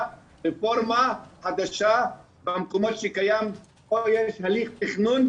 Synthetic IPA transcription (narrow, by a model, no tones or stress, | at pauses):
ɾefoɾmahad̪aʃa | bamkomɔt̪ʃekajam | ojeʃhaliqt̪iχnun